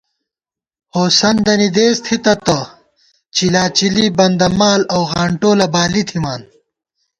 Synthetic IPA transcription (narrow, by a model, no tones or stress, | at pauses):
hoːsɐnd̪ɐnid̪eːst̪ʰit̪ɐt̪ɐ | t͡ɕilaːt͡ɕilibɐnd̪ɐmaːlɐwɣaːɳʈoːlɐbaːlit̪ʰimaːn